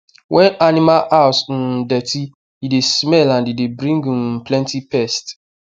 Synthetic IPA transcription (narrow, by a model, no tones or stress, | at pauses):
wʔɛ̃nanimalʔas̩dɛti | idesmɛlãndidebɾĩŋɡũm̩plɛ̃ntipɛst